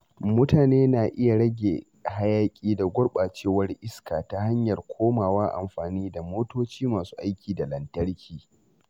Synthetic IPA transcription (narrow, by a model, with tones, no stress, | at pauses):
mʊ˦taː˨neː˦naː˨ʔɪ˦ja˨ɽɐ˦ɡʲḛ˨ | ha˦jaː˦kʲʼiː˦da˨ɡʷʊ˦ɽɓa˨t͡ʃeː˦˨wɐ˦rʔɪ˦skaː˨ta˦ha˦ɲjɐ˨rkʷʰoː˦maː˨waː˦ʔa̰˨mɸaː˨niː˦da˨moː˦toː˦t͡ʃiː˦maː˨su̥ː˦ʔa˦jkʲʰiː˨da˨lɐ˨ntɐ˦ɽkʲʰiː˨